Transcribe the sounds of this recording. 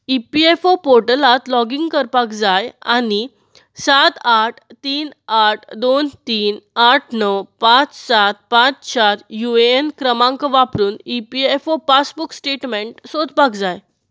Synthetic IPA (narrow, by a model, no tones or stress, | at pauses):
ipiefopoɾʈəlãt̪lɔɡiŋɡkəɾpakd͡zaja̰ni | sat̪aʈʰt̪iːnaʈʰd̪ont̪iːnaʈʰnəwpãt͡ssat̪̚pãt͡st͡ɕaɾjueenkɾəmãŋkəʋapɾuːnipiefopasbuksʈeʈmẽɳʈsod͡zpakd͡zaj